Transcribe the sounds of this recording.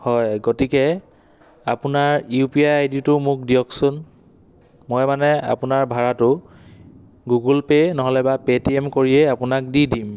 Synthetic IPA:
hɔjɡotikɛ | apunaɹjupiajajditʊmʊk̚diɔksʊn | mɔjmanɛa̰pʊnaɹbʱaɹatʊ | ɡuɡulpenɔɦɔlɛbapetiɛmkoɹiɛapʊnak̚didim

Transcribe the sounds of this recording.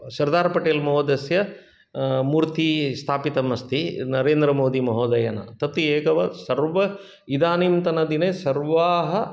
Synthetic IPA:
ʃɐɾd̪aːɾpɐʈeːlmɐɦoːd̪ɐsjɐ | muːɾt̪ist̪ʰaːpit̪ɐmɐst̪inɐɾeːnd̪ɾɐmoːd̪imɐɦoːd̪ɐjɐnɐ̰t̪ɐt̪ieːkɐʋɐsɐɾʋɐ | id̪aːnimt̪ɐnɐd̪inesɐɾʋaːɦɐ

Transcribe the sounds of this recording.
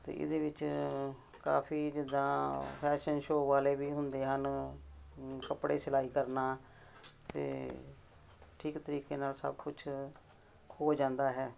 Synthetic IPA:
t̪ḛːʔɪ̰d̪eːʋɪt͡ʃ | ka̰ːpʰiːd͡ʒɪd̪ãːpʰɛːʃənʃoːʋaːleːʋiːɦʊnd̪eːɦən | kəpɽḛːsɪlaːiːkəɾnaː | t̪ḛː | ʈʰiːkt̪əɾiːkeːnaːlsə̰bkʊt͡ʃʰ | hoːd͡ʒãːnd̪aːɦɛː

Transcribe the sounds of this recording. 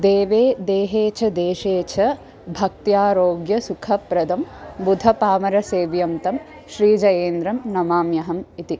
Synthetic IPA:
d̪eːʋeːd̪eːɦeːt͡ʃʰɐd̪eːʃeːt͡ʃʰɐ | bʱɐk̚t̪jaːɾoːɡjɐsukʰɐpɾɐd̪ʱɐmbud̪ʱɐpaːmɐɾɐseːʋjɐmt̪ɐm | ʃɾiːd͡ʒɐjeːnd̪ɾɐmnɐmaːmjɐɦɐmit̪i

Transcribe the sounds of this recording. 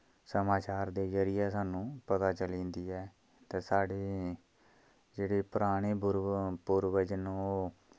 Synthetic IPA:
səmaːt͡ʃaːɾd̪eːzəɾɪjaːsaːnũːpət̪aːt͡ʃəlĩːnd̪iːɛː | t̪eːsaːɽeː | d͡ʒeːɽeːpʊɾaːɽ̃eːbʊɾpʊɾʋəd͡ʒnõːoː

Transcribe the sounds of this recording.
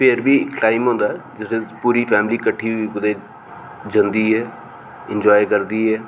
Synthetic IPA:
pʰeɾbʱiːkʈaːɪmɦõːnd̪aːɦɛd͡ʒɪsẽpuːɾiːpʰɛːmliːkəʈʰːiːikʊd̪eː | d͡ʒə̃nd̪iːɦɛː | ɪ̃nd͡ʒɔːekəɾd̪iːɦɛː

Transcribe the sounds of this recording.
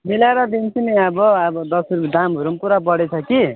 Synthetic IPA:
milaɾʌd̪int͡sʰuniʌbʌːbʌd̪ʌsuɾd̪amɦuɾumpuɾapʌɽet͡sʰʌki

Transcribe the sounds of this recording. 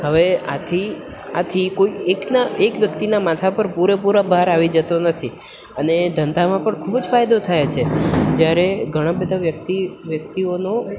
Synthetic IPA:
həʋea̰t̪ʰia̰t̪ʰikoieknaekʋjəkt̪inamat̪ʰapəɾpuɾepuɾabəɦaɾaʋid͡ʒət̪onət̪ʰi | əned̪ʱənd̪ʱamãpəɳkʰubd͡ʒfajd̪ot̪ʰajet͡ʃʰed͡ʒjaɾeɡʱəɽ̃ãbəd̪ʱaʋjək̚t̪iʋjək̚t̪iono

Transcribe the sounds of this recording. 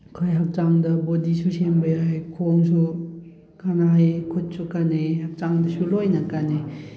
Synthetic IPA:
kʰojɦak̚t͡ʃaŋdɐbodisusembɐjajkʰoŋsu | kanajkʰut̚sukanehak̚t͡ʃaŋdɐsulojnɐkane

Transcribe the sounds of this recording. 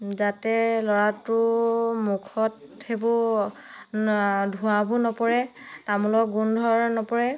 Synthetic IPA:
zatɛlɔɹatʊmukʰɔthebɔ | dʱuabunɔpɔɹɛtamulɔk̚ɡundʱɔɹnɔpɔɹɛ

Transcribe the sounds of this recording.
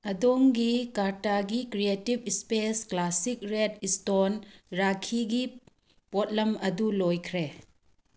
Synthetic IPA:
ɐdoŋɡikaɾtaɡikɾietibspesklasik̚ɾet̚istonɾakʰiɡi | pot̚lɐmɐdulojkʰɾe

